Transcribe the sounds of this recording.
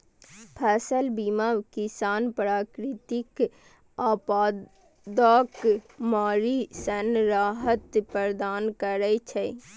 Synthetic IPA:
pʰɛːsəlbimawkisaːnpɾaːkɾɪt̪ik | aːpaː | d̪əkmaːɾisənɾaːɦət̪pəɾd̪aːnkəɾət͡ʃʰɛ

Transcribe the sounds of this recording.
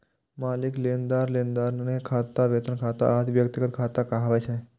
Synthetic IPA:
maːlɪkleːnd̪aːɾlẽːnd̪aːɾnekʰaːt̪aʋeːt̪ənkʰaːt̪a̰ad̪ʋjəkt̪ɪɡət̪kʰaːt̪akaɦaʋat͡ʃʰẽ

